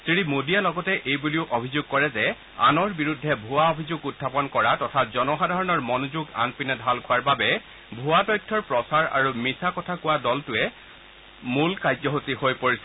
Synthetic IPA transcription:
sɹimodijalɔɡɔtɛʔejbuliʊʔobʱizʊɡ̚kɔɹɛzɛ | a̰nɔɹbiɹudʱːɛbʱʊaobʱizuɡudʱːapɔnkɔɹatɔtʰazɔnɔxadʱaɹɔnɔɹmɔnozuɡa̰npinɛdʱalkʰʊwaɹbabɛ | bʱʊatɔjtʰːɔɹpɹɔsaɹa̰ɹumisakɔtʰakʊwadɔltʊɛ | mulkajzɔɦotihojpoɹisɛ

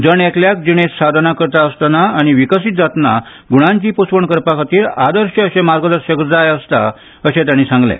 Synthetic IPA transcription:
d͡zəɳɛkljak̚d͡ʑiɽ̃esad̪ʱənakəɾt̪aəst̪anaːɽ̃iʋikəsiːt̪d͡zat̪na | ɡuɽ̃ãɲt͡ɕiːpospəɳkəɾpakʰat̪iːɾad̪əɾɕəəɕẽmaɾɡəd̪əɾɕek̪d͡zajəst̪a̰ | əɕẽt̪jañisãŋɡlɛ̰̃

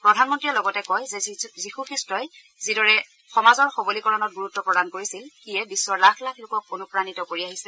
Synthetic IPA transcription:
pɹɔdʱanmɔntɹiɛlɔɡɔtɛkɔjzɛzixuxistɹɔj | zidɔɹɛ | xɔmazɔɹxobolikɔɹɔnɔt̚ɡuɹutːɔpɹɔdankoɹisilxijɛbisːɔɹlakʰlakʰlʊkɔk̚onupɹanitɔkoɹiaɦisɛ

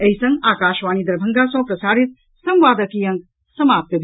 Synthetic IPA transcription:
ɐɦisɐŋɡaːkaːʃʋaːñid̪ɐɾbʱɐŋɡasɐ̃pɾɐsaːɾit̪̚ | sɐ̃mʋaːd̪ɐkiːjɐ̃ŋɡ | sɐmaːp̚t̪jɐb

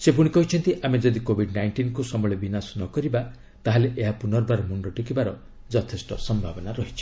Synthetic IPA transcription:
sep̬uɽ̃ikɔɦit͡ʃʰɔnt̪iʔamed͡ʒɔd̪ikobʱiɖnajɳʈinkusɔmɔɭebinasɔnɔkɔɾiba | t̪aɦaleʔeɦapunɔɾbaɾɔmuɳɖɔʈukibaɾɔ | d͡ʒɔt̪ʰesʈɔsɔmbʱabɔnaɾɔɦit͡ʃʰi̥

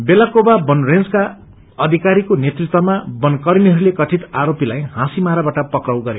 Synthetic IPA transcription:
belakobabʌnrend͡zka | ʌd̪ʱikaɾikonet̪rit̪wʌmabʌnkʌɾiniɦʌɾulekʌʈʰit̪aɾopilaj̃hãsimaɾabaʈʌpʌkrʌwɡʌɾjo

